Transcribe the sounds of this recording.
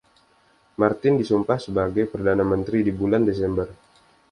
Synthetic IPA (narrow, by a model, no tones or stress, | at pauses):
mart̪ɪndisumpahsəbaɡajpərdanamənt̪ɾidibulandes̬ɛmbər